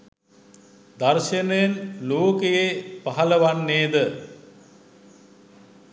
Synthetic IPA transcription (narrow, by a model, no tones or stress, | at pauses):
d̪arʃenəjenloːkejepaɦɐləʋanːeːd̪ə